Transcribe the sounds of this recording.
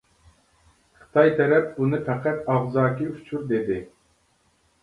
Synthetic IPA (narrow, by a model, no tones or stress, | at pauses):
χʰɨ̥t̪ʰɑjt̪ʰɛɾɛp̚bunɨfʰæqæt̪ɑʁzɑːkʲiut͡ʃʰuɾd̪ed̪ɪ